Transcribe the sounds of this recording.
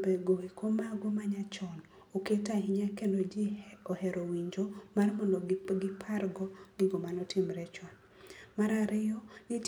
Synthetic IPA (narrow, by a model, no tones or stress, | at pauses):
beɡoekomaɡomaɲat͡ʃɔn | oketahiɲakendod͡ʒiohɛɾowiɲd͡ʒomarmɔndɔɡɪpʰarɡɔɡɪɡomanɔtʰɪmɾɛt͡ʃɔn | maɾaɾɪjɔnit